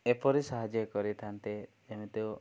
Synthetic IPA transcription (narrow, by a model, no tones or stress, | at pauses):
epɔɾisaɦad͡ʒjɔkɔɾit̪ʰant̪ed͡ʒemet̪e